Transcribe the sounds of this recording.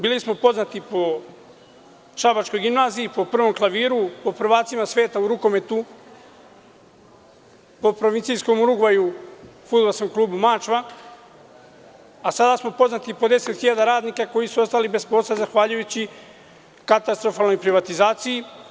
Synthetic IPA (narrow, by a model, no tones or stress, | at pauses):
biːlismo̞po̞znat̪ipo̞ | ʃabat͡ʃko̞jɡimnaːziipo̞pr̩ʋo̞mklˠaʋiːɾupo̞pr̩ʋaːt̪simasʋe̞ːt̪auɾuko̞me̞t̪u | po̞pɾoʋint̪sijsko̞muɾuɡʋajufud̪balˠsko̞mklˠuːbumaːt͡ʃʋa | asad̪asmo̞po̞znat̪ipo̞d̪e̞se̞t̪xiʎad̪aɾaːd̪nikako̞jisuo̞st̪alibe̞spo̞ːsazaxʋaːʎujut͡ɕi | kat̪ast̪ɾo̞faːlno̞jpɾiʋat̪izaːt̪siji